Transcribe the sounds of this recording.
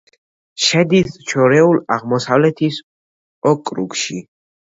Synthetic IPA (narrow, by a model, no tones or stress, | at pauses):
ʃɛd̪ist͡ʃʰɔɾɛulaʁmɔsavlɛt̪ʰis | ɔkʼɾṵkʃi